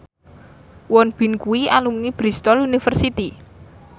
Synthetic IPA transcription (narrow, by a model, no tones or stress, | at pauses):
wɔnb̥i̤nkuwialumnib̥ɾist̪ɔlunifərsit̪i